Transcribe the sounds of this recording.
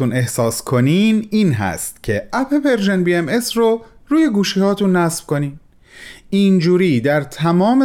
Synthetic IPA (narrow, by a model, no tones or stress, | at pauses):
une̞hsɒːskʰo̞niːniːnɦæ̰st̪̚cʰe̞ʔæpʰe̞pe̞ɾʒenbiemesroɾuːje̞ɡuːʃiːhɒːt̪ʰuːnːæsfko̞niːn | ind͡ʒuːɾiːd̪æɾt̪ʰæmɒːme